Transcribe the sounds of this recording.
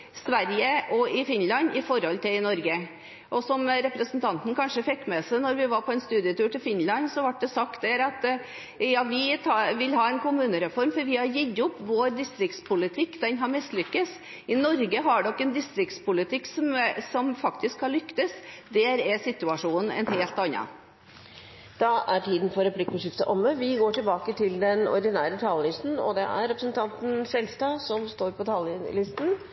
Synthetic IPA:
sʋæɾjəʔɔɪfɪnlɑnɪfɔɾhɔlt̪ʰɪlɪnɔɾɡə | ʔɔsɔmɾɛpɾəsənt̪ʰɑnt̪n̩kʰɑnʂəfɛkːmɛsænɔɾʋɪʋɑɾpʰɔɛnst̪ʉːd̪ɪət̪ʉːʈɪlfɪnlɑnsɔʋɑʈ̚ːd̪ɛsɑkt̪̚d̪æɾɑt̪ | jɑːʋɪt̪ʰɑʋɪlhɑːɛnkʰʊmʉːnəɾɛfɔɾmfɔɾʋɪhɑɾjɪd̪ʊpːʋoːɾd̪ɪst̪ɾɪk̚t̪spʰʊlɪt̪ʰɪkːd̪ɛnɦɑɾmɪst̪lʏkːəs | ɪnɔɾɡəɦɑɖɔkːɛnd̪ɪst̪ɾɪkt̪spʰʊlɪt̪ʰɪkːsɔmsɔmfɑkt̪ʰɪskʰːɑlʏkt̪əsd̪æːɾɛsɪt̪ʉɑʂuːnn̩ɛ̰nɦeːlt̪ɑnːɑ̰ | d̪̥ɑæʈʰiːd̪ən̩fɔɾɛpʰlɪkɔʂɪft̪əʔɔmːəʋɪɡoːʈɪlbɑːkət̪ʰɪld̪ɛnɔ̰ɾd̪ɪnæːɾət̪ʰɑːləlɪst̪n̩ɔ̰d̪ɛʔæ̰ɾːɛpɾəsnt̪ʰɑnt̪n̩sɛlst̪ɑsɔmst̪oːɾpʰɔt̪ʰɑːləlɪst̪n̩

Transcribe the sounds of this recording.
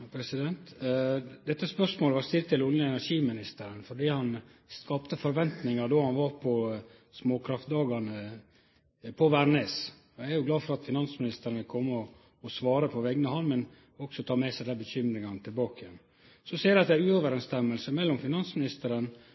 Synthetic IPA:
pʰɾɛsɪd̪ɛnt̪ | d̪ɛt̪ːəspœʂmoːləʋɑɾst̪ɪlt̪ːɪlʊnəɛnæʂiːmɪnɪst̪əɾənfɔɖiːhɑnskɑpt̪əfɔɾʋɛnt̪nɪŋɑd̪oːhɑnʋɑɾpʰɔ | smoːkʰɾɑft̪̚d̪ɑːɡɑnə | pʰɔʋæɾɳes | ɔææɾjʊɡlɑːfɔɾɑt̪fɪnɑnsmɪnɪst̪əɾənʋɪlkʰɔmːəɔː | sʋɑːɾəpʰɔʋɛɡnəhɑlmɛn | ɔksɔt̪ʰɑːmɛsæɪd̪ɛbəçʏmɾɪŋɑnət̪ʰɪlbɑːkəjɛn | sɔsiːɾɑt̪d̪æʉːɔʋəɾɛnst̪ɛmːəlsəmɛlːɔmfɪnɑnsmɪnɪst̪əɾən

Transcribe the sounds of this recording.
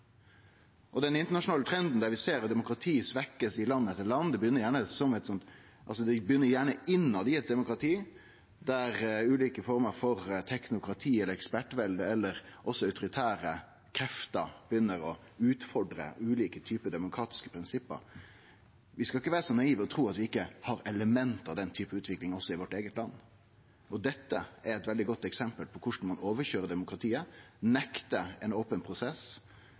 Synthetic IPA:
ʔɔd̪ɛnɪnt̪əɳɑʂʊnɑːlət̪ʰɾɛnd̪n̩d̪æɾʋɪseːɾd̪ɛmʊkɾɑt̪ʰiːsʋɛkːəsɪlɑnːəɛt̪ːəlɑnːd̪ɛbjʏnːəɾjæːɳəsɔmɛt̪sɔnt̪ | ʔɑlsɔd̪ɛbjʏnːəɾjæːɳəɪnːɑd̪ɪɛt̪̚d̪ɛmʊkɾɑt̪ʰiː | d̪æɾʉːliːkəfɔɾməɾfɔɾt̪ʰɛknʊkɾɑt̪ʰiːɛlːəɾɛkspæʈʋɛld̪əɛlːəɾʔɔsːɔœʉt̪ʊɾɪt̪ʰæːɾə | kʰɾɛft̪ə̰b̥əjʏnːəɾɔ | ʉːt̪fɔɖɾə̰ʉːliːkət̪ʰyːpəd̪ɛmʊkʰɾɑːt̪ɪ̥skə̥pʰɾɪnsɪpːə̰ɾ | ʋɪskɑɪkːəʋæːɾəsɔnɑiːʋɔt̪ʰɾuːɑt̪ʋɪɪkːəhɑɾɛləmɛnt̪ɑʋd̪ɛnt̪ʰyːpəʉːt̪ʰʋɪklɪŋɔsːɔɪʋɔʈːeːɡət̪lɑnː | ʔɔd̪ɛt̪ːəæɾɛt̪ʋɛld̪ɪɡɔt̪ːɛksɛmpəlpʰɔkʰʊʂn̩mɑnoːʋəçøːɾəd̪ɛmʊkɾɑt̪ʰiːənɛkt̪əɛnoːpənpʰɾʊsɛs

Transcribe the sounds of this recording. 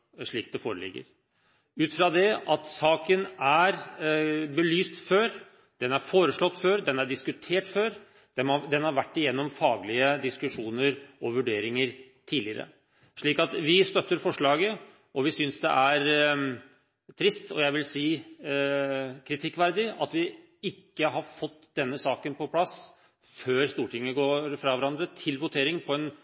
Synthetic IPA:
ʂɭiːkd̪ɛfoːɾəlɪ̰ɡːə̰ɾ | ʉːt̪fɾɑd̪ɛʔɑt̪sɑːkənæɾ | bəlyːst̪føːɾ | d̪̥ɛnæɾfoːɾəʂɭɔt̪ːføːɾd̪ɛnæɖɪskʉt̪ʰeːʈføːɾ | d̪̥ɛd̪ɛnhɑɾʋæʈːɪjɛnːɔmfɑːɡlɪəd̪ɪskʉʂuːnəɾɔʋʉɖeːɾɪŋəɾ | t̪ʰiːlɪəɾə̰ | ʂɭiːkɑt̪ʋɪst̪œt̪ːəɾfɔʂɭɑːɡə | ɔʋɪsʏnsd̪ɛ̰ʔæɾ | t̪ʰɾɪst̪ɔjæɪʋɪlsiː | kʰɾɪt̪ʰɪkːʋæɾd̪ɪɑt̪ʋɪ | ɪkːəɦɑɾfɔt̪ːd̪̥ɛnːəsɑːkənpʰɔpʰlɑs | føːɾst̪uːʈɪŋːəɡoːɾfɾɑʋæɾɑnd̪ɾət̪ʰɪlʋʊt̪ʰeːɾɪŋpʰɔɛn

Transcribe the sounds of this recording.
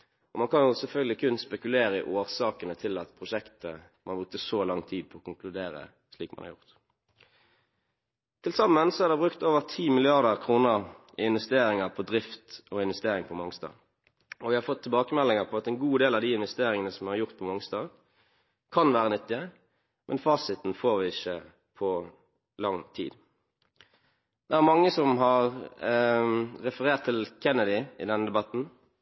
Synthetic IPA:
ɔmɑnkʰɑnjʊsɛlfœlɡəlɪkʰʉnspɛkʉleːɾəɪʔoːʁsɑːkənət̪ʰɪlɑt̪pʰʁʊʃɛkt̪əmʔɑnbʊt̪ːəsɔlɑŋt̪ʰiːd̪̚pʰɔːkʊŋklʉd̪eːʁə̰ | sliːkmɑ̰nhɑ̰ʁjʊ̰ʁt̪ | t̪ʰɪlsɑmːənsɔhæʁd̪ɛbʁʉkt̪oːʋəʁt̪ʰiːmɪlɪɑʁd̪əʁkʰʁuːnəʁ | ɪɪnʋɛst̪eːʁɪŋəʁpʰɔd̪ʁɪft̪ɔɪnʋɛst̪eːʁɪŋpʰɔmɑŋst̪ɑ̰ː | ɔʋɪhɑɾfɔt̪ʰːɪlbɑːkəmɛlːɪŋəʁpʰɔɑt̪ɛnɡuːd̪eːlɑd̪iːɪnʋɛst̪eːʁɪŋənəsɔmhɑɾjʊʁt̪̚pʰɔmɑŋst̪ɑː | kʰɑnʋæːʁənɪt̪ːɪə | mʔɛnfɑːsɪt̪n̩foːʁʋɪɪçə | pʰɔ | lɑŋt̪ʰḭːd̪ | d̪̥ɛæʁmɑŋːəsɔmɦɑʁ | ɾɛfəʁeːʁt̪ʰːɪlkʰɛnːəd̪ɪɪ̰d̪ɛnːəd̪ɛbɑt̪n̩

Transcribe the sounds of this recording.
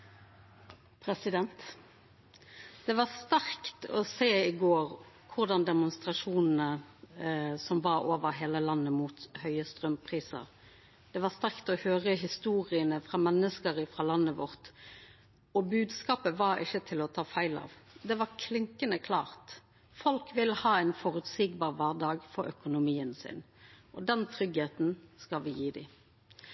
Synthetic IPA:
pʰɾɛsɪd̪ɛnt̪ | d̪̥ɛʋɑst̪æʁkt̪ɔ̰seːɪɡoːʁ | kʰʊʁd̪ɑnd̪ɛmʊnst̪ʁɑʂuːnn̩ə | sɔmʋɑɾoːʋəʁɦeːləlɑnːəmuːt̪hœʏəst̪ʁœmpʰʁiːsə̰ʁ | d̪̥ɛʋɑʁst̪æʁkt̪ɔhøːʁəɦɪst̪uːʁɪənəfʁɑːmɛnːəskəɾəfʁɑlɑnːəʋɔʁt̪ | ɔbʉːd̪skɑːpəʋɑɾɪ̰çːət̪ʰɪlɔt̪ʰɑːfæɪlɑ̰ːʋd̪ɛʋɑʁkʰlɪŋkənəkʰlɑːʁt̪ | fɔlkʋɪlːhɑːæɪnfɔʁʉt̪siːɡbɑːʁʋæːʁd̪ɑːɡfɔɾœkʊnʊmiːənsɪ̰n | ʔɔd̪ɛnt̪ʰɾʏɡheːt̪nskɑlʋɪjiːd̪ɪ̰

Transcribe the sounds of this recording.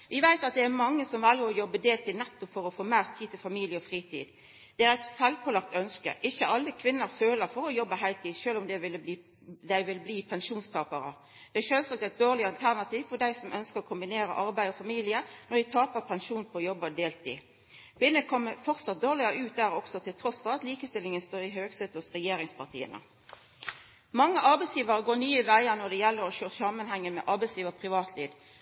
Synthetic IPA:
ʋɪʋæɪt̪ɑt̪̚d̪ɛæɾmɑŋːəsɔmʋɑljəɾɔjɔbːəd̪eːlt̪ɪːnɛt̪ːɔpfɔɾɔfoːmæːʁt̪ʰiːd̪t̪ʰɪlfɑmiːlɪəɔfɾiːt̪ʰḭːd̪ | d̪̥ɛæːɾæɪt̪sɛlʋkʰɔlɑk̚t̪œnskə̰ʔɪçːəʔɑlːəkʰʋɪnːəɾføːləɾfɔɾɔjɔbːəɦæɪlt̪ʰiːd̪ʃøːlɔmd̪ɛʋɪlːəbliː | d̪æɪʋɪlbliːpʰɛnʃuːnst̪ʰɑːpəɾə̰ | d̪̥ɛæʃøːlsɑːk̚t̪æɪt̪̚d̪oːʁlɪɑlt̪ʰæʁnɑt̪ʰiːʋfɔd̪æɪsɔmʔœnskəɾɔkʰʊmbɪneːɾə̰ʔɑɾbæɪɔfɑmiːlɪənɔd̪ɪt̪ʰɑːpəpʰɛnʃuːnpʰɔːjɔbːəd̪eːlt̪ɪ̰ | b̥ɪnːəkʰɔmːəfɔʁt̪sɑt̪̚d̪oːʁlɪəʉːt̪̚d̪æːɾɔksɔt̪ʰɪlt̪ʰɾɔsfɔʁɑt̪liːkəst̪ɪlːɪŋənst̪oːɾɪɦøːɡset̪ʊsʁɛjeːɾɪŋspʰɑʁt̪ʰḭːə̰nə̰ | mɑŋːəʔɑɾbæɪsjiːʋəɾəɡoːnyːɪʋæɪənɔd̪ɛjɛlːəɾɔʃøːsɑmənhɛŋːəmɛ̰ʔɑɾbæɪsjiːʋəʁpʰɾɪʋɑːt̪ʰliːʋ

